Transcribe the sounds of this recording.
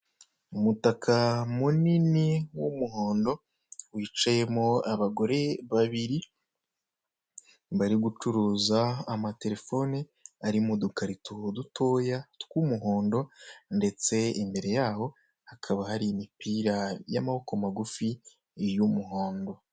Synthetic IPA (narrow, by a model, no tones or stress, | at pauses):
umutakʰamuniniwumuɦoːndo̞ | wiːt͡ʃaje̞moaβaɡo̞ɾe̞βaβiɾi | baɾiɡut͡ʃuɾuːzaːmate̞ɾe̞fo̞ni | aɾimodukaɾitʰudutʰo̞ːjatkumuɦo̞ːndo̞nde̞t͡se̞imbe̞ɾe̞jaːho̞ | hakʰaβahaɾiːmipiːɾaja̰maho̞ko̞maɡufi | jumuɦo̞ːndo̞